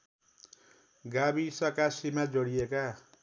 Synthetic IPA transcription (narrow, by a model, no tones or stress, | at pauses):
ɡabisʌkasimad͡zoɽieka